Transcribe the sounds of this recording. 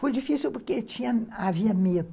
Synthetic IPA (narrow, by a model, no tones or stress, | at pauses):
fojd͡ʒifisiwpoɾket͡ʃĩɲɐaviɐmed̪ʊ